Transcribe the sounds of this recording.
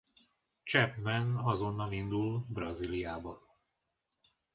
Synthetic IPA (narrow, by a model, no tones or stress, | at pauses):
t͡ʃɛpmɛnɒzo̞nːɒlind̪ulbrɒzilijaːbɒ